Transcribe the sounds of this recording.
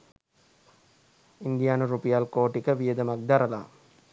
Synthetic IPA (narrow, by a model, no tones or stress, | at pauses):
ind̪ijaːnuɾupijalkoːʈikəʋijəd̪ɐmak̚d̪aɾɐla̰